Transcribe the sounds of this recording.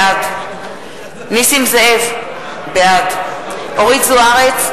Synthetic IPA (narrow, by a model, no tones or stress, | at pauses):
aɡ | nisimzeev | beaɡoʁiɡzuaʁet͡s